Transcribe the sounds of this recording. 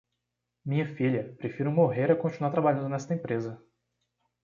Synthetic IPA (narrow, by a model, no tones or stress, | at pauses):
mĩɲɐfiʎʲɐpɾefiɾɐmoɦeɾɐkõt͡ʃinuaɾt̪ɾabaʎɐ̃nd̪ʊnɛst̪ɐẽpɾezɐ